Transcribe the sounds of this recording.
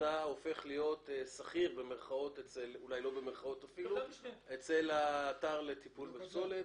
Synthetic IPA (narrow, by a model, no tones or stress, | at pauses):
ao̞fe̞χlijo̞t̪esaχiʁbe̞meʁχao̞t̪et͡selulajlo̞be̞meʁχao̞tafiluet͡selaːtaʁle̞t̪ipulbepso̞let